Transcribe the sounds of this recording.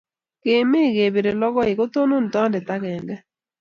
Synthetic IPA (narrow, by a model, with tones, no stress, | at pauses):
ke˨me˦˨ɡe˨be˨ɾe˨lɔ˦ɡɔ˦ɪ˨ko˦t̪o˦no˦n˨tɔ˦ndɛ˨ta˦kɛ˨ŋɡɛ˦